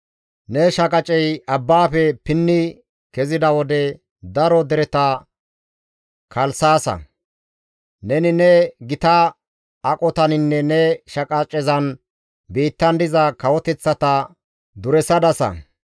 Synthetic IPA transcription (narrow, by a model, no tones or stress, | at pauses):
nɛʃɐkʼɐt͡ʃʼɛjɐbːaːpɛpɪnːɪ | kɛzɪd̪ɐwɔd̪ɛ | d̪ɐɾɔd̪ɛɾɛt̪ɐ | kʰɐlsaːsɐ̰ | nɛnɪnɛɡɪt̪ɐ | ɐkʼɔt̪ɐnɪnːɛnɛʃɐkʼɐt͡ʃʼːɛzɐn | biːt̪ːɐnd̪ɪzɐkɐwɔt̪ɛt͡sːɐt̪ɐ | d̪ʊɾɛsɐd̪ɐsɐ̰